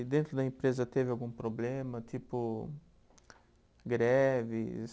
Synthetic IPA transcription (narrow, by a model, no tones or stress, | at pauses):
d̪ẽnt̪ɾʊd̪ɐẽpɾezɐt̪evɪawɡũpɾoblẽmɐt̪ipʊ | ɡɾɛvɪs